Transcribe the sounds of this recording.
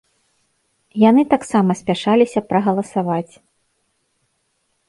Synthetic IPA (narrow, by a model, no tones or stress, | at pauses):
janɨt̪aksamɐsʲpʲaʂalʲisʲɐpɾɐɣɐlˠɐsavat͡sʲ